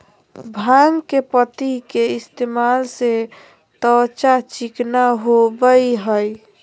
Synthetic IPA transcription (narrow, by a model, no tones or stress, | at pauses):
bʱãŋɡkepət̪ikeist̪emalse | t̪ət͡ʃat͡ʃiknaɦobəjɦəj